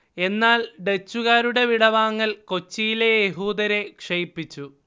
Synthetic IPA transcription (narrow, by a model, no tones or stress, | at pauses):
e̞nːaːlɖe̞t͡ɕːuɣaːɾuɽe̞ʋiɽɐʋaːŋːɐlko̞t͡ɕːijile̞jeɦuːd̪ɐɾe̞kʂejipːit͡ɕːu